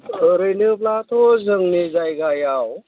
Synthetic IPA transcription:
əɾɯjnɯplat̪ʰozəŋnezajɡajaw

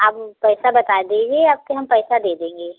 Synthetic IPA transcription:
aːppɛːsabɐt̪aed̪ẽːŋɡeaːb̚keɦɐmpɛːsad̪eːd̪ẽːŋɡeː

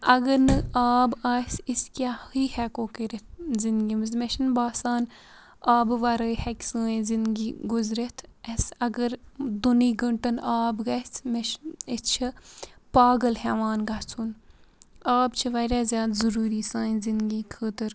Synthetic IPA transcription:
ɐɡəɾnɨaːbaːsiskʲahiːhɛkoːkeɾet̪̚ʰzind̪ɡimɐzmeʃɐnbaːsaːn | aːbʋɐɾɐhɛkʲsəːĩzind̪ɡiːɡʊzɾet̪ʰesɐɡəɾd̪uniːɡəɳʈɐnʔaːbɡɐt͡sʰmeʃist͡ʃʰɐpaːɡəlhɛʋaːnɡɐt͡sʰun | aːbt͡ʃʰɐʋɐɾʲaːzʲjaːd̪zɐɾuːɾiːsaːĩnzind̪ɡiːkʰət̪əɾ

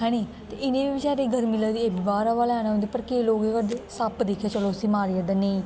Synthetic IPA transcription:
ɦɛ̃ːɽ̃iː | t̪eʔɪnẽːbiːbɪt͡ʃaːɾeːɡʱəɾmɪləːd̪iːeːbibaːɾaːʋaːleaːñːɦõnd̪eːpəɾkeːloːɡeːkəɾd̪eːsapd̪eːkʰjaːt͡ʃəloːsiːmaːɾiad̪aːnẽː

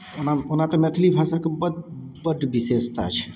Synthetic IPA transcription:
onaonat̪ɔmɛt̪ʰilibʱasakebədbəɖbisest̪aa̰t͡ʃʰe̥

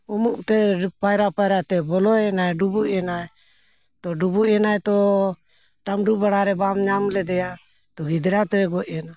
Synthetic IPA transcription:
ɔmuʔt̪ɛpajɾapajɾat̪ɛbɔlɔɛnajɖubuʔjɛnaj | t̪ɔɖubuʔɛnajt̪ɔ | ʈamɖubaɽaɾɛbamɲamlɛd̪ɛja | t̪ɔɡid̪ɾat̪ɔɛɡɔʔjɛna

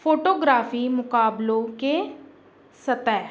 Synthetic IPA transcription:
fʰoːʈoːɡɾaːfiːmʊkaːblõke | sət̪ɛː

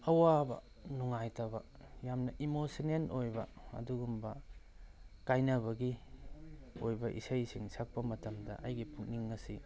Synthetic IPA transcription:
ɐwabɐ̰ | nuŋajtɐbɐ | jamnɐʔimosinenojbɐɐ̰duɡumbɐ | kajnɐβɐɡi | ojbɐʔḭsɐjsiŋsak̚pɐmɐtɐmdɐ̰ʔɐjɡipʰuk̚niŋːɐsi

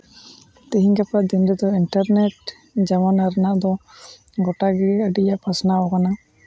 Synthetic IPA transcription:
t̪iɦiɲɡapad̪inɾɛd̪ɔiɳʈaɾnɛʈ | d͡ʒamanaɾənaʔd̪ɔ | ɡɔʈaɡɛəɖijaʔpasnaɔkana

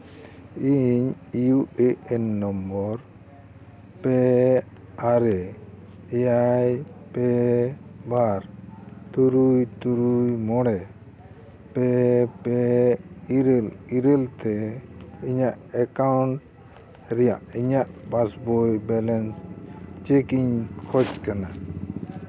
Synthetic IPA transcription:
iɲ | ijueʔɛnːɔmbɔɾ | pɛ | aɾɛ | ɛjajpɛ | baɾt̪uɾujt̪uɾujmɔɽɛ | pɛpɛ | iɾɛliɾɛlt̪ɛ | iɲaʔɛkawɳʈ | ɾɛjaʔiɲaʔpasbɔjbɛlɛnst͡ʃekiɲkʰɔt͡ʃkana

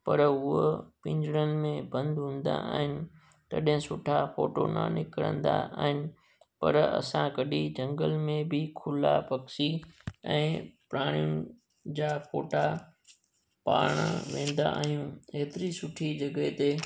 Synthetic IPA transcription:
pɐɾʊopɪ̃ɲd͡ʑɽənɪ̆mẽbɐ̃nd̪ɦũːn̆d̪a̰aːɦɪnɪ̆ | t̪ɐ̰ɗɦɪ̃sʊʈʰafoːʈonɐ̰nɪkɽə̰̃nd̪a̰aːɦɪnɪ̆ | pɐ̰ɾɐ̰sãkɐɗid͡ʑɐ̃ŋɡəlmẽbɪkʰʊlapɐksiɛ̃ːpɾaːɽ̃ijʊnɪ | d͡ʑaːfoːʈa | paːɽ̃ʋẽːn̆d̪a̰aːɦijũeːt̪ɪɾisʊʈʰid͡ʑɐɡəɦt̪e

